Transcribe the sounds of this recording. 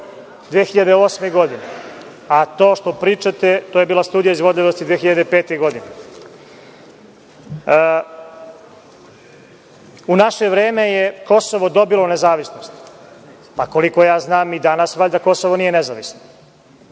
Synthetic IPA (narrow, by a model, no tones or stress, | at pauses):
d̪ʋeːxiʎad̪eoːsmeɡo̞d̪ine | at̪o̞ːʃt̪o̞pɾiːt͡ʃat̪et̪oːje̞biːlˠast̪uːd̪ijaizʋo̞d̪ʎʲiʋost̪id̪ʋeːxiʎad̪epeːt̪eɡo̞d̪ine | unaʃeʋɾe̞ːme̞jeko̞so̞ʋo̞d̪o̞bilonezaːʋisnost̪ | pako̞liko̞jaːznaːmid̪anasʋaʎʲd̪ako̞soʋonijenezaʋisno